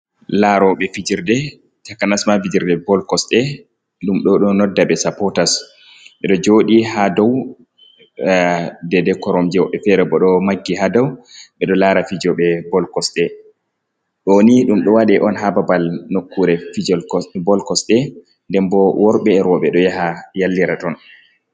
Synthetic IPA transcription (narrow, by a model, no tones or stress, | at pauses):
laɾɔɓɛfid͡ʒiɾdɛ | takːanasmavid͡ʒiɾdɛbɔlkɔsɗɛ | ɗumɗɔɗɔnɔdːaɓɛsapɔtas | ɓɛɗɔd͡ʒoːɗiɦadɔw | dɛdɛkɔɾɔmd͡ʒɛwɓɛfɛɾɛbɔɗɔmaɡːiɦadɔwɓɛɗɔlaɾafid͡ʒɔɓɛbɔlkɔsɗɛ | ɗɔniɗumɗɔwaɗɛʔɔnɦababalnokːuɾɛfid͡ʒɔlkɔbɔlkɔsɗɛ | ndɛmbɔwɔɾɓɛːɾɔɓɛɗɔjaɦajalːiɾatɔn